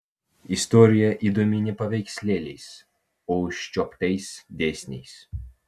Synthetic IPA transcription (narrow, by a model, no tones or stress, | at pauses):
ist̪ɔɾʲɪjɛʔid̪ɔmʲinʲɛpɐʋʲɛjkʲsʲlʲelʲɛjs | ɔʊʃʲt͡ʃʲɔpt̪ʲɛjsʲd̪ʲesʲnʲɛjs